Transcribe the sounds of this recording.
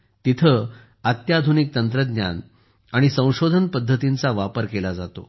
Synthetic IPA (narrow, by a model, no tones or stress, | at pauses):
t̪it̪ʰə | at̪jad̪ʱunik̚t̪ənt̪ɾəd̪nja̰n | aɽ̃isə̃w̃ɕod̪ʱənpəd̪ʱːət̪int͡saʋapəɾkelad͡zat̪o̰